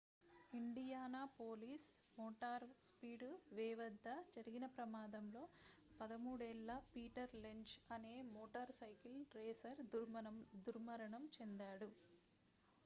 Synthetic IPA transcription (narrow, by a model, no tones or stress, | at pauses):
iɳɖijaːnaːpoːliːsmoːʈaːɾspiːɖʋɛːʋɐd̪ʱːɐd͡ʒɐɾiɡinɐpɾɐmaːd̪ɐmlo̞ː | pɐd̪ɐmuːɽɛlːɐpiːʈɐɾleɲt͡ʃɐne̞ːmoːʈɐɾsɐjkilɾeːsɐɾ | d̪uɾmɐɾɐɳɐmt͡ʃend̪aːɽu